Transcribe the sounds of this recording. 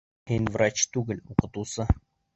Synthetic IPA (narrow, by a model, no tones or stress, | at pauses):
henʲvrat͡ɕt̪ʉɡɘ̆lʲuqɤ̆t̪usɤ